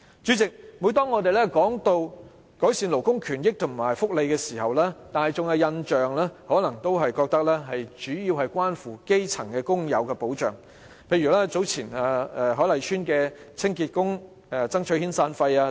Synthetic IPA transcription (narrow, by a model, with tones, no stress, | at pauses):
t͡ʃyː˨˥t͡sɪ˨k̚muː˨˧jt̪ɔː˥ŋːɔː˨˧t̪e˨jlɛː˥kɔː˨˥ŋt̪o˧w | kɔː˨˥jsiː˧nlo˨˩wkʊ˥ŋkʰyː˨˩njɪ˥k̚t̪ʰʊ˨˩ŋmaː˨˩jfʊ˥k̚le˨˧jkɛː˧siː˨˩hɐ˨wlɛː˥t̪aː˨nhɐ˨jt͡sʊ˨ŋɛ˧wjɐ˧nt͡ʃœː˨ŋlɛː˥hɔː˨˥lɐ˨˩ŋt̪o˥wɦɐ˨jkɔː˧k̚t̪ɐ˥k̚lɛː˥ɦɐ˨jt͡ʃyː˨˥jiː˧wɦɐ˨jkʷwaː˥nfuː˨˩ke˥jt͡sʰɐ˨˩ŋkɛː˧kʊ˥ŋjɐ̰˨˧wkɛː˧po˨˥wt͡ʃœː˨˩ŋ | pʰe˧jyː˨˩lɛː˥t͡so˨˥wt͡sʰiː˨˩naː˨˧ɛ˨˧ɦɔː˨˥lɐ˨˩jt͡ʃʰyː˥nkɛː˧ | t͡sʰɪ˥ŋkiː˧t̚kʊ˥ŋ | ɛ˧t͡sɐ˥ŋt͡ʃʰɵ˨˥hiː˥nsaː˧nfɐ˧jaː˧